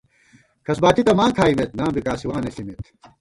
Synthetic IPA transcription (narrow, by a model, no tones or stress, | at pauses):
kʰɐsbaːt̪it̪ɐmãːkʰaːimet̪̚nãːmbikaːsiwaːnesimet̪